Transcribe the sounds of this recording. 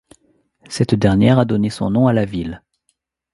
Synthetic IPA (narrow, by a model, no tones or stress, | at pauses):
sɛt̪d̪ɛʁnjɛʁad̪ɔnesɔ̰̃nɔ̃alavil